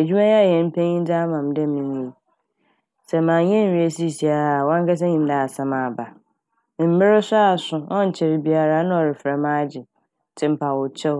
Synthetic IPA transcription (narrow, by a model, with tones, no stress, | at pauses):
æ˨d͡ʑu˦mã˦jjɛ̃˨m̩˦pʰẽ˦ɲĩ˦da˦mã˨m˦dɛ˦ĩ˨n˨ji˨ | sɛ˨mãː˨ɲɛ̃˦˨ĩ˦e˦si˦˨si˨a˨wɔ̃˦ŋ˦kʰɛ˦s̬ɛ̃˦ɲĩ˨m˦da˨a˨sã˦mã˨ba˨ | mɪ̃˨m̩˦mɪ˦ɾɪ˦sʊ˦a˨sʊ̃˨ɔ̃˦n̩˨t͡ɕʰɪ˨ɾɪ˨bi˨a˨ɾa˦nʊ̃˦ɔ˨ɾɪ˨fɾɛ˨mã˦d͡ʑɪ˨˦ | tʰɪ̃˦m̩˦pʰa˨wʊ˨t͡ɕʰɛ˦